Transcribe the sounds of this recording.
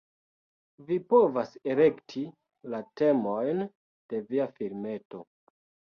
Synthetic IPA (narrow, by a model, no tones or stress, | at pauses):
vipo̞vase̞le̞ktʰi | late̞mo̞jn | d̥e̞viafiɾme̞to̞